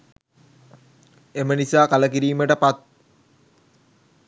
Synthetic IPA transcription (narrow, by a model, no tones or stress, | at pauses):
emənisaːkaləkiɾiːməʈəpat̪̚